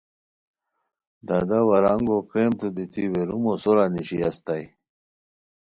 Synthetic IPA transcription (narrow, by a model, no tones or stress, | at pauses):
d̪ad̪awɐɾaŋɡokɾemt̪ud̪it̪ʰiweɾumosoɾaniɕiast̪aj